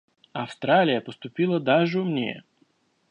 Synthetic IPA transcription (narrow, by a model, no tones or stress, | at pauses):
ɐfst̪ɾalʲɪjəpəst̪ʊpʲilˠəd̪aʐɨʊmnʲḛ